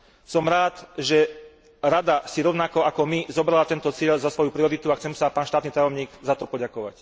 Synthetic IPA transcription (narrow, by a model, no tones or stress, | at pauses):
sɔmɾaːt̪ʒɛ | ɾad̪asiɾɔʊnakɔakɔmizɔbɾalat̪ɛnt̪ɔt͡sɪɛlzasʋɔjupɾiɔɾit̪uaxt͡sɛmsapaːnʃt̪aːt̪nit̪ajɔmɲiːɡzat̪ɔpɔɟakɔʋa̰c